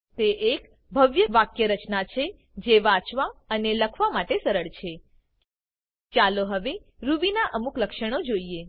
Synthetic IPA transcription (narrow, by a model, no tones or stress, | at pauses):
t̪eʔek | bʱəʋjəʋakjəɾət͡ʃnat͡ʃʰe | d͡ʒeʋãt͡ʃʋaəneləkʰʋamaʈesəɾəɭt͡ʃʰe | t͡ʃaloɦəʋe | ɾuʋinaʔəmukləkʃəɽ̃od͡ʒoie